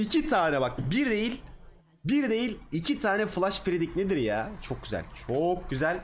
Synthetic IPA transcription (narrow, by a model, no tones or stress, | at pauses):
icʰit̪ʰaːnɛbak̚biɾd̪e̞jilʲ | biɾd̪e̞jilʲicʰit̪ʰaːnɛfɯlˠaʃpɾed̪icned̪iɾjaːt͡ʃʰo̞k̚ɟyzæ̰lʲt͡ʃʰok̚ɟyzælʲ